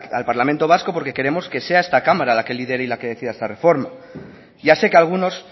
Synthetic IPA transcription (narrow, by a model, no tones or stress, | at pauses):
alpaɾlament̪o̞β̞asko̞po̞ɾke̞ke̞ɾe̞mo̞ske̞se̞aest̪akamaɾalake̞liðe̞ɾeilake̞ðe̞θiðaest̪are̞fo̞ɾma | ʝase̞kealɣ̞uno̞s